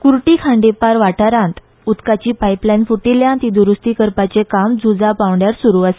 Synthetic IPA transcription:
kuɾʈikʰãɳɖepaɾʋaʈaɾãnt̪ | ut̪kat͡ɕiːpajplanfuʈiljãnt̪id̪uɾust̪iːkəɾpat͡sekamd͡zud͡zapaʋɳɖjaɾsuɾuase̥

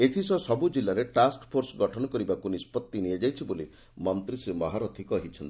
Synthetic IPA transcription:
et̪ʰisɔsɔbud͡ʒilːaɾeʈaskpʰoɾsɔɡɔʈʰɔnɔkɔɾibakunispɔt̪ːinijed͡ʒajt͡ʃʰiboli | mɔnt̪ɾisimɔɦaɾɔt̪ʰikɔɦit͡ʃʰɔnt̪i

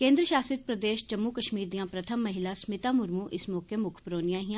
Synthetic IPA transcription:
kẽːnd̪ɾəʃaːsɪt̪̚pɾɐd̪eːʃd͡ʒɐmːukɐʃmiːɾd̪ijãːpɾɐt̪ʰəmːɐɦɪlasmɪt̪aːmʊɾmũʔɪsmɔːkʰjemʊkʰpɾoːnijãɦijã

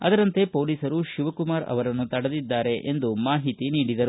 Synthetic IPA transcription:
ɐ̰d̪ɐɾɐnt̪e̞po̞ːliːsɐɾuʃuʋɐkumaːɾɐ̰ʋɐɾɐnːut̪ɐɽɐd̪id̪ːaːɾe̞ʔend̪umaːɦit̪iniːɽid̪ɐɾu

